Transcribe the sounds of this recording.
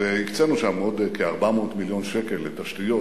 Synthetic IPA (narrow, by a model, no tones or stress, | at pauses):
vehikt͡senuʃamo̞dkeaʁbamo̞ːtmiljo̞nʃekelːetaʃtijo